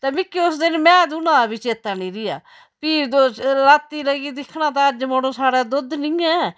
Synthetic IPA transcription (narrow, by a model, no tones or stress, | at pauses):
t̪ɛːmɪkːiːʊsd̪ɪnmɛ̃ːd̪unãːbit͡ʃeːt̪ːaːnĩːɾɪjaː | piːd̪oːlaːt̪ːiːləɡiːd̪ɪkʰnãːt̪ãːəd͡ʒmoːɽõːsaːɽaːd̪ʊd̪nĩːɛː